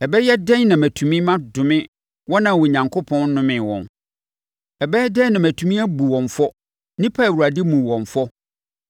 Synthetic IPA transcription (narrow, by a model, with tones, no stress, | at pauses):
ɛ˨bɛ˦jɛ˦dɛ̃˦nnã˨mæ̃˨tʰu˨mĩ˦mã˦dʊ˨mɪ̃˦ | wɔ˦nã˨wo˨ɲã˨ŋkʰo˦pʰɔ̃˦n˦nʊ̃˦mɪ̃˨wɔ̰̃˨n | ɛ˨bɛ˦dɛ̃˦nã˨mæ˨tʰũ˨mĩ˦æ˦bu˨wɔ̃˨ɱfɔ˦ | nĩ˦pʰa˦˨wu˨a˨dɪ˦mũ˨wɔ̃˨ɱfɔ˦